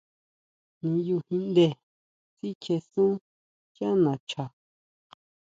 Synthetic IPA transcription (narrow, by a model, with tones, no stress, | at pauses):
nĩ˧ju˧hĩ˧nd̪e˧˨ | si˦kʰe˧sũ˦ | kjã˦nã˨t͡ʃa˨